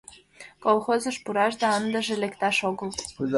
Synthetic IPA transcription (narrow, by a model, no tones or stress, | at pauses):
kolˠχozɤ̆ʃpuɾɑʒd̪ɑɑnd̪ə̆ʒelʲĕkt̪ɑʃoɡɤ̆lˠ